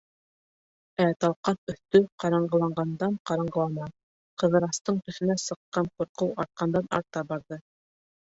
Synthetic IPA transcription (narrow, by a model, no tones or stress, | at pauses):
æt̪ɑlˠqɑnɵ̆θt̪ɵqɑɾɑɴɢɤ̆lˠɑɴɢɑnd̪ɑnqɑɾɑɴɢɤ̆lˠɑnɑ | qɤ̆ðɤ̆ɾɑst̪ɤɴt̪ɵ̆θɵ̆næsɤ̆qːɑnquɾqɤwɑɾt̪̚qɑnd̪ɑnɑ̰ɾt̪ɑbɑɾðɤ